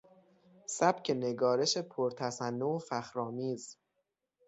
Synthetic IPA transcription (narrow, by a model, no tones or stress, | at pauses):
sæb̥cʰe̞ne̞ɡɒːɾe̞ʃe̞pʰoɾt̪ʰæsænːoofæxɾɒːmiːz